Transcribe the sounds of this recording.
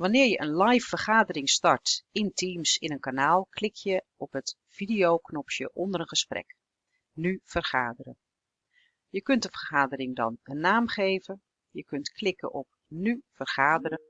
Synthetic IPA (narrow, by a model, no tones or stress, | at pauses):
ʋɑnɪːɹjəʔənlajfərχaːdərɪŋstɑɹtɪntʰimsɪnənkanaːlˠkʰlɪkjə | ɔpɦət | v̥idijowknɔpʃə̰ʔɔndəɾənχəsprɛ̰k | nyv̥ərχaːdəɾə | jəkɵntdəvərχaːdəɾɪŋdɑ̰nənːaːmχejvə | jəkɵntkʰlɪkə̰ʔɔp̚nyv̥ərχaːdəɾə